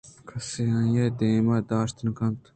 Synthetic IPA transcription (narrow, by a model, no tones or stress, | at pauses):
kʰɐseajed̪eːmɐd̪aːʃt̪nkɐnt̪